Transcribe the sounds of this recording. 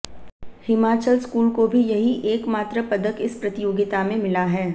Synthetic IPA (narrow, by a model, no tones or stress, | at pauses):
hɪmaːt͡ʃəlskuːlkobʱijɐɦiʔeːkmaːt̪ɾapɐd̪əkɪspɾɐt̪ɪjoːɡɪt̪amẽmɪlaɦɛː